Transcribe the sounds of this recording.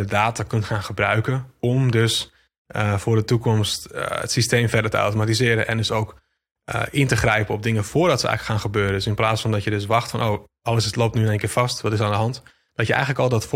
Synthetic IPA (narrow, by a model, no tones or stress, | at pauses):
dədaːtakøntxaːnxəbrœɥkənɔmdøs | əfʊːrdətukɔmstə̰tsisteːmfɛrdərtəa̰wtomatizɪːɾənʔɛ̰ndɵsowk | əʔɪntəxrɛjpəɔb̚dɪŋəfʊːrdɔtsəʔɛ̰jxələkxaːnxəbøːɾədøsɪnplaːsfɔndɔtjədøs̬ʋɑxtfɔnʔoː | ʔɑləsloːp̚tnyənenkɪːfɑstʋɔtɪsaːndəɦɑnt | d̥ɔtjəɛ̰jɣənləkɔlˠdɔtf